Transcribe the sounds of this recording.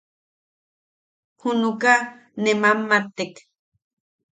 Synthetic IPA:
hunuka | nemamːat̪ːek

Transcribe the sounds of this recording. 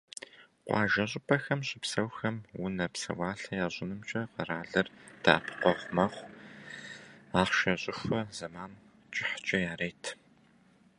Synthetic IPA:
qʷɑ̰ːʒɐɕʼɪpʰʼɐxɐmɕʼɪpsɐwxɐmwʊnɐpsɐ̰wɑːɬɐjaːʑʼɪnɨmt͡ʃʼɐqəraːɮɨrd̥a̰ːpʰqʷɔʁʷmɐχʷ | aːχʃɐɕʼɪxʷɐz̥ɐmaːn | t͡ʃʼɪħt͡ʃʼɐjaːɾeːtʰ

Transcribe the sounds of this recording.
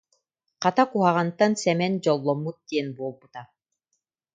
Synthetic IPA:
qɑt̪akuɦaʁant̪ansɛmɛnd͡ʑɔlˠːɔmːut̪̚d̪iɛnbuɔlˠbut̪a

